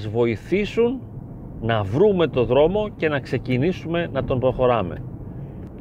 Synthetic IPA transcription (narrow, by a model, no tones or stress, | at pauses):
zvo̞iθisun | nɐvɾume̞t̪o̞ðɾo̞mo̞ce̞nɐkse̞cinisume̞nɐt̪o̞mpɾo̞xo̞ɾɐme̞̰